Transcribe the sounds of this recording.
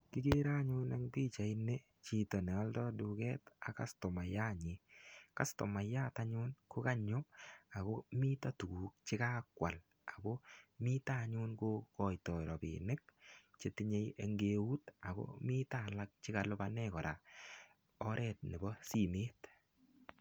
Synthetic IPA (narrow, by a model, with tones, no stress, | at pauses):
kɪ˦ke˦ɾa˦ɲʊ˦na˦ŋpi˦t͡ʃa˨ine˦ | t͡ʃi˦tɔ˨nɛ˨ɔ˦ldɔdu˨kɛ˦ta˨ka̰˦stɔ˨ma˨ja˦ɲɪka˦stɔ˨ma˨ja˦taɲʊ˦nko˦ka˦ɲʊ˦a˨ko˦mi˦ta˦tu˨kuː˨k̚t͡ʃɪ˦ka˦kwa̰˨l | a˨ko˦mi˦ta˨ɲʊ˦nko˦kɔ˨jtɔ˨ɾɔ˨pḭnɪ˦k̚t͡ʃe˦tɪ˦ɲe˦je˨ŋɡe˨wu˦ta˨ko̰˦mi˦ta˦˨la˦k̚t͡ʃɪ˦ka˨lʊ˦banɛkɔ˨ɾa˨ | ɔ˦ɾʔɛ˦˨t̚ne˨bɔ˦si˦meː˦t